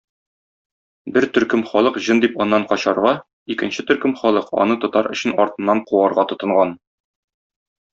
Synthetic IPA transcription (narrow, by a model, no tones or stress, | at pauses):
bɘɾt̪ɵ̆ɾkɵmχɒlˠɤqʑɤnd̪ipɒnːɑɴqɒɕɑɾʁɑ | ikɘ̆nɕɘt̪ɵ̆ɾkɵmχɒlˠɤqɒ̰nɤt̪ɒt̪ɑɾʔɵ̆ɕɘnɒɾt̪ɤ̆nːɑɴquɑɾʁɑt̪ŏt̪ɤ̆ɴʁɑn